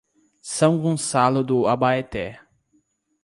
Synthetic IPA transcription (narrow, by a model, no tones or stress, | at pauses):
sɐ̃w̃ɡõsalʊd̪ʊabaet̪ɛ